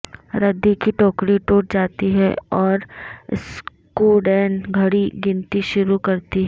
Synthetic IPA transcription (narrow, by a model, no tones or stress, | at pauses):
ɾɐd̪ːikiʈɔːkɽiʈoːʈ̚d͡ʒaːt̪iɦɛɔːɾ̰s | kuːɖɛːnɡʱɐɽiɡɪ̃nt̪iʃʊɾukɐɾt̪iɦɛː